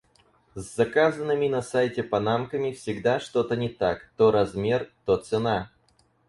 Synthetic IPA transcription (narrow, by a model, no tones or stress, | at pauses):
zzɐkazənːɨmʲɪnɐsajtʲɪpɐnamkəmʲɪfsʲɪɡd̪aʂt̪o̞t̪ənʲɪt̪akt̪oɾɐzmʲe̞rt̪ot̪sɨna